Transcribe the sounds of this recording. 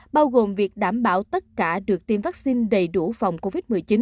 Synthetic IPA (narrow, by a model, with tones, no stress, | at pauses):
ɓaː˧wɣo˨˩mvi˨˩ək̚ɗaː˧˩mɓaː˧˩wt̪ə˦˥t̚kaː˧˩ɗɨ˨˩ək̚t̪i˨˩mvaː˦˥k̚si˧nɗə˨˩jɗu˧˩fa˨˩wŋ͡mko˧vi˦˥t̚mɨ˨˩əjt͡ɕi˨˦n